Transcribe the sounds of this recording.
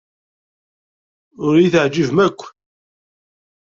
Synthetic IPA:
ʊɾjiθəʕd͡ʒivmækʷː

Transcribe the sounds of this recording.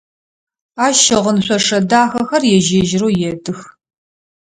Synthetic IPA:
aːʃɐʁənɕʷʼɔʂɐdaːxɐxɐrjɛʒeːʒɪɾoːjɛdɨx

